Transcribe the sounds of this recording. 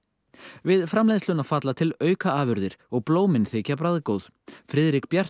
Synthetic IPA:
vɪðfɾamlejðst̪lʏnafat̪lat̪ʰɪlœːɥkaaːvʏɾðɪɾ̥ɔɣploːwmɪnθeːcap̬ɾaðkowð̥ | fɾɪːðɾikpjar̥

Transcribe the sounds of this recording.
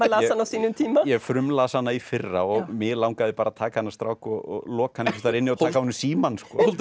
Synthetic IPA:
malaɛanːawsiːnʏmt̪ʰiːmajɛfɾʏmlaðsanːaifɪrːaɔɣmɪlawŋkaðɪpaːɾat̪ʰaːkahanːast̪ɾawkɔɣɔ̰ɣlɔːkahanːɛfɪ̥ɾt̪aɾɪnːɪɔt̪aːkahɔnːʏmsiːmanskɔːl

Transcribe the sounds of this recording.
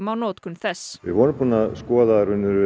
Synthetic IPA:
mawnɔːt̪kʏnθɛsːʋɪ̰ðvɔːnʏmpʰunaskɔːðaɾʏnːʏɾ

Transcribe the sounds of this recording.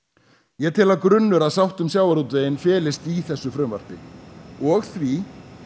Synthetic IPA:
jɛt̪ʰɪlaðkɾʏnːʏɾaðsawht̪ʏmsjawaɾuːt̪veːjɪnfɛːlɪst̪iθɛsːʏfɾʏːmva̰r̥pɪɔɣθvi

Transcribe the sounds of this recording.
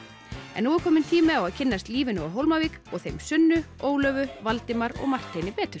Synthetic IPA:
ɛ̰nːuɛɾkʰɔːmɪnt̪ʰiːmɪawaðcʰɪnːast̪liːvɪnʏaɦowlmaviːkɔɣθejmsʏnːʏoːwlœːvʏvalt̪ɪmaɾɔ̰ɣmar̥t̪ʰːejnɪpɛːt̪ʏɾ̥

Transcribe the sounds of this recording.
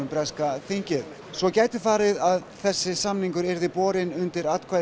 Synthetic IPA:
ʏmpɾɛskaθiɲcɪð | svɔcaːjt̪ɪ̥faːɾɪðaðθɛsːɪsamniŋkʏɾɛɾðɪpɔːɾɪnʏnt̪ɪɾat̪kʰva

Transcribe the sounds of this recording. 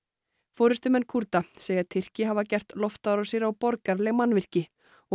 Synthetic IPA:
foːwɾɪst̪ʏmɛnːkʰuɾt̪aseːjat̪ʰɪr̥cɪɦavacɛr̥t̪lɔft̪aðɾɔsiɾawpɔɾkaɾlɛɣmanːvɪr̥cɪ | ɔ

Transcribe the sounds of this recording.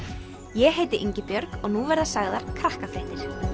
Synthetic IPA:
jɛɦeːjt̪ɪʔiɲcɪpjœɾkɔɣnuvɛɾðasaɣðaɾ̥kʰɾahkafɾejht̪ɪɾ̥

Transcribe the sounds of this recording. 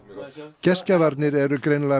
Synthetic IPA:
cɛscavaɾt̪nɪɾɛɾʏkɾejnla

